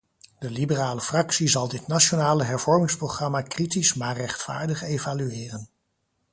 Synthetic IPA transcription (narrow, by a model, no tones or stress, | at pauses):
dəlibəraːləfrɑksizɑlˠdɪtnaʃonaːləɦɛɹv̥ɔɹmɪŋsprowχrɑmakritismaːrɛχtfa̰ːɹdəχejvalyɪːrən